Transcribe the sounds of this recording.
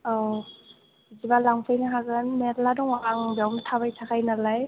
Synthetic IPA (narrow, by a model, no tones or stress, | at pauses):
ɔ | zibalaŋpʰɯjnaɦaɡɯnmetladɔŋwaʔaŋbawnɯtʰaβajtʰakʰajnalaj